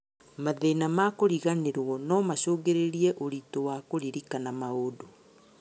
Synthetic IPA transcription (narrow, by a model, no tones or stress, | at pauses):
maðenamakoɾiɣaneɾɔnɔmaɕoɣeɾeɾiɛʔoɾitowakoɾiɾikanamaodo